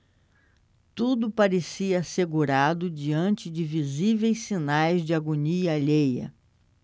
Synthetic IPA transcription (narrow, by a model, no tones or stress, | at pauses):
t̪ud̪ʊpaɾesiɐːseɡuɾad̪ʊd͡ʒiɐ̃nt͡ʃɪd͡ʒɪvizivejsːinajzd͡ʒɪaɡoniɐːʎejɐ̰